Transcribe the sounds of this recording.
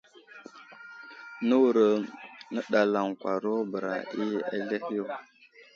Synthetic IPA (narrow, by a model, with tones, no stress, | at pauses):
nə˦wu˨ɾə˨nə˦ɗa˨la˨ŋkʷa˨ɾo˦bə˨ɾa̰˨ʔi˦a̰˦ɮe˦hu˦˨